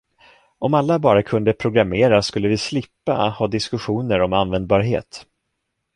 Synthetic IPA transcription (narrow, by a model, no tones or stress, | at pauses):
ʔɔmalːabɑːɾakʰɵnd̪əpʰɾʊɡɾameːɾaskɵlːəvɪslɪpːa̰hɑːd̪ɪskɵɧuːnəɾɔmanvɛnd̪̚bɑːɾɦḛːt̪